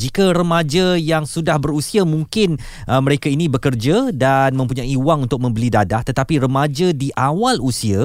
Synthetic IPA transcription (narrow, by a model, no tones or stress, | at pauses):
d͡ʒikaɾəmãd͡ʒajaŋsudahbəɾusiamũŋkɪn | ʔəməɾekainĩbəkərd͡ʒadanmə̃mpuɲaiwaŋunt̪ʊk̚mə̃mbəlidadaht̪ət̪apiɾəmad͡ʒadiʔawalusia